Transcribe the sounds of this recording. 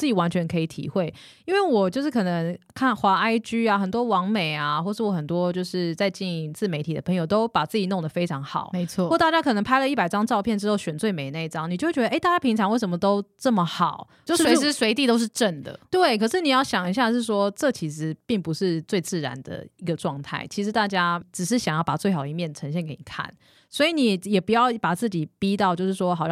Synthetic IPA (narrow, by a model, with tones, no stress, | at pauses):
t͡s̩˥˩t͡ɕi˨˩wa˧˥nt͡ɕʰɥɛ˧˥nkʰɤ˧˥i˨˩t̪ʰḭ˧˥xwe˥˩ɪi˥nwe˥˩ɪwɔ˨˩t͡ɕjo˥˧ʊʂɻ̩˥˩kʰɤ˨˩nə˧˦ŋkʰa˥˩nxwa˧˥a˥ɪt͡ɕy˥a˨˧xə˨˩nt̪wɔ˥wɑ˧˥ŋme˨˩ɪa˩xwɔ˥˧ʂɻ̩˥˩wɔ˨˩xə˨˩nt̪wɔ˥t͡ɕjo˥˧ʊʂɻ̩˥˧t͡sa˥˧ɪt͡ɕi˥˩n˧t͡sɹ̩˥˩me˧˥ɪt̪ʰi˨˩də˩pʰɤ˧˥ŋjo˨˩ʊt̪o˥ʊpa˨˩t͡sɹ̩˥˩t͡ɕi˨˩no˥˩ŋd̪ə˩fe˥ɪʈ͡ʂʰɑ˧˥ŋxɑ̰˨˩˦ʊme˧˦t͡sʰwɔ˥˨ɔ˥˧˦t̪a˥˧˩t͡ɕja˥kʰɤ˨˩nə˧˥ŋpʰa˥ɪlə˨i˥˩pa˨˩ɪʈ͡ʂɑ˥ŋʈ͡ʂɑ˥˧ʊpʰjɛ˥˩nʈ͡ʂɻ̩˥xo˥˩ʊɕɥɛ˨˩nt͡swe˥˩ɪme˨˩ɪne˥˩i˧˩ʈ͡ʂɑ˥ŋni˨˩t͡ɕo˥˧˥ɥɛ˧˥ə˧˥ɪt̪a˥˩t͡ɕja˥pʰi˧˥ŋʈ͡ʂʰɑ˧ŋwe˥˩ɪʂə˧˥mə˧t̪o˥ʊʈ͡ʂə˥˩mə˩xɑ˨˩˦ʊ | t͡ɕo˥swe˧˥ɪt̪i˥˧t̪o˥ʊʂ̬ɻ̩˥˧ʈ͡ʂə˥˩nd̪ə̰˩t̪we˥˩ɪkʰɤ˨˩ʂɻ̩˥˩ni˨˩jɑ˥˩ʊɕjɑ˨˩ŋi˧˥ɕ̬ja˥˧ʂ̬ɻ̩˥˩ʂwɔ˥ʈ͡ʂɤ˥˨˩t͡ɕʰi˧˥s̩˧˥pi˥˩ŋpu˧˦ʂɻ̩˥˧t͡swe˥˧ɪt͡sɹ̩˥˩ɻa̰˧˦nd̪ə̰˨i˧˥ɡə˧ʈ͡ʂwɑ˥˧ŋt̪ʰa̰˥˩ɪt͡ɕʰi˧˥ʂɻ̩˧˥t̪a˥˩t͡ɕja˥ʈ͡ʂɻ̩˨˩ʂ̬ɻ̩˥˩ɕjɑ˨˩ŋjɑ˥˩ʊpa̰˨˩t͡swe˥˩ɪxɑ˨˩d̪ə˩i˧mjɛ˥˩nʈ͡ʂʰə˧˥nɕjɛ˥˧nke˧˥ɪni˨˩kʰa̰˥˩˨n | swɔ˧˥i˧ni˨˩jɛ˨˩pu˧˥jɑ˥˩ʊpa˨˩t͡sɹ̩˥˩t͡ɕi˨˩pi˥t̪ɑ˥ʊt͡ɕjo˥˧ʊʂɻ̩˥˩ʂwɔ˥xɑ˨˩˥